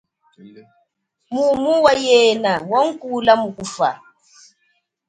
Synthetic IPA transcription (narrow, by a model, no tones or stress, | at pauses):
mumuwajɛnawɔŋ̩kulamukufa̰